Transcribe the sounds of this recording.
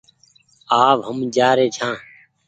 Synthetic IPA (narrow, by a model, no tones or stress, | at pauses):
aːʋɦəmd͡ʒaːɾeːt͡ʃʰãː